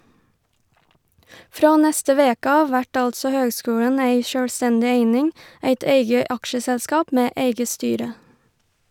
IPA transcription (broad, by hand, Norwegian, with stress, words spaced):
ˈfɾɑː ˈnɛstə ˈʋeːkə ˈɑːʋ ˈʋæʈ ˈɑltsɔ ˈhøːɡˌskʉːlən ˈeɪ ʃœlˈstɛndɪ ˈeɪnɪŋ ˈeɪt ˈeɪɡə ˈɑkʃəsɛlˌskɑːp ˈmeː ˈeɪɡə ˈstyːɾə